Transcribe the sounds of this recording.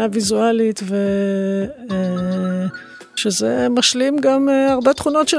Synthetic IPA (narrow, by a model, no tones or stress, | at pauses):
avizualit̪ve | ʃezemaʃlimɡameaʁbet̪χuno̞tʃe